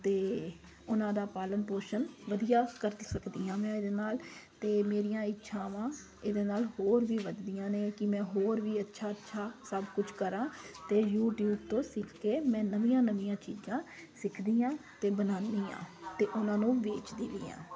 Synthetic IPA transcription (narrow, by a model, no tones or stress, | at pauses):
t̪eː | ʊnãːd̪aːpaːlənpoːʃənʋəd̪ijaːkəɾsəkd̪iːãːmɛ̃ːd̪eːnaːlt̪eːmeːɾijãːɪtːʃʰãːʋãː | ɪd̪eːnaːlɦhoːɾʋiːʋəd̪d̪ijãːneːkɪmɛ̃ːɦoːɾʋiːətːʃʰaːətːʃʰaːsəbkʊt͡ʃʰkəɾãːt̪eːjuːʈjuːbt̪õːsɪkʰkeːmɛ̃ːnəʋijãːnəʋijãːt͡ʃiːd͡ʒãː | sɪkʰd̪iːãːt̪eːbənãːnd̪iːã̰ːt̪eːʔʊnãːnũːʋeːt͡ʃd̪iːliːjã̰ː